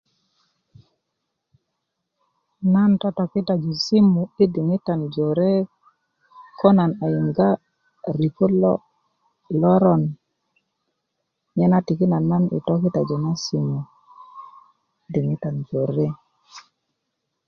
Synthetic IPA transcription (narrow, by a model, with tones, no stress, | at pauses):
na˦ntɔ˦tɔ˨ki˦ta˨d͡ʒɔ˨si˦mu˨i˦di˨ŋi˦ta˨nd͡ʒo˨ɾe˦ | kɔ˦na˨na˨ji˨ŋɡa˦ | ɾi˨ko˦l | lɔ˦ɾɔ˨n | ɲɛ˦na˦ti˨ki˦na˨na˦nḭ˨tɔ˦ki˦ta˨d͡ʒɔ˨na˦si˨mu˨˦ | di˨ŋi˦ta˨nd͡ʒo˨ɾe˦